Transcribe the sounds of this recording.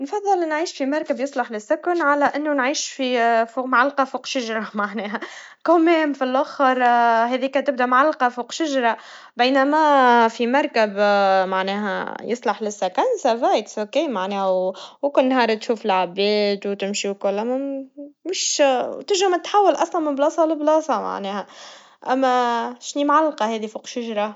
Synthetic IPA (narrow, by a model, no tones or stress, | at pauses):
nfɑðˤːɨlnʕiːʃfimɑɾˤkabjɨsˤlɑħlɪsːʊkanʕalæʔɪnːunʕiːʃfifuːmʕalːqɑfuːqʃaʒɾˤɑmaʕnɛːɦæ | kʊmɛːmfilʔʊxɾˤɦɛðiːkæt̪ɪb̚d̪æmʕalːqɑfuːqʃaʒɾˤɑ | beːnæmæfimɑɾˤkabmaʕnɛːɦæ̰jɨsˤlɑħlɪsːækænsæfæjkshokeːmaʕnɛːhæwwkʊnːhɑːɾˤt̪ʃuːfɪlʕabɛːd̪wt̪ɪmʃiwkʊlːʔæmæmɪʃt̪ɪʒæmæt̪ħawːalʔɑsˤlɑnmɪblɑːsˤɑlɪblɑːsˤɑma̰ʕnɛːhæ | ʔæmːæʃniːmʕalːqɑhɛːðifuːqʃaʒɾˤɑ